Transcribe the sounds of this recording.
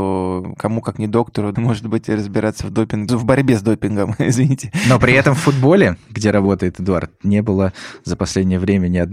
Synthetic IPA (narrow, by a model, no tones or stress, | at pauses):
okɐmukaknʲɪd̪o̞kt̪əɾʊmo̞ʐɨt̪bɨtʲrəzbʲɪɾat̪səvd̪opʲɪnɡvbɐɾʲbʲezd̪o̞pʲɪnɡəmɪ̰zvʲɪnʲitʲɪno̞pɾʲɪɛt̪əmfːʊd̪bo̞lʲɪɡdʲe̞ɾɐbo̞t̪əjɪt̪ɨd̪ʊa̰rt̪nʲe̞bɨlˠəzəpɐsʲlʲedʲnʲɪjəvɾʲemʲənʲɪɐd̪